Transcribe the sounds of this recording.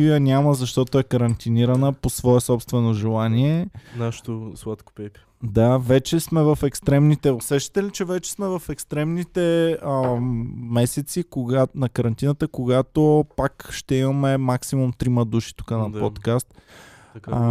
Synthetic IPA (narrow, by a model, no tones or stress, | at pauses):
ijənʲaməzɐʃt̪ɔt̪oɛkəɾɐnt̪iniɾənəposvɔɛsɔpst̪vɛnoʒɛlˠaniɛnaʃt̪oslˠat̪ko̥pɛpʲ | d̪avɛt͡ʃɛsmɛvɐfɛkst̪ɾɛmnit̪ɛosɛʃt̪i̥t̪ɛlit͡ʃɛvɛt͡ʃɛ̥smɛvɐfɛkst̪ɾɛmnit̪ɛə | mɛsɛt̪sikoɡanɐkəɾɐnt̪inət̪əkoɡat̪opakʃt̪ɛimɐmɛmaksimumt̪ɾiməd̪uʃi̥t̪u̥kənɐppot̪kast̪